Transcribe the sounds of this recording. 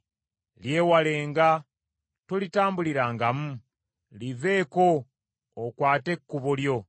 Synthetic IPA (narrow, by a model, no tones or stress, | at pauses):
lje̞ːwale̞ːŋɡa | tolitaːmbuliɾaŋɡamu | live̞ːko̞ː | kwaːte̞kːuβoljo̞